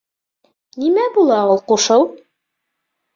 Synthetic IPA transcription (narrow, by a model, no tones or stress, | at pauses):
nimæbulˠɑulˠquʃɤw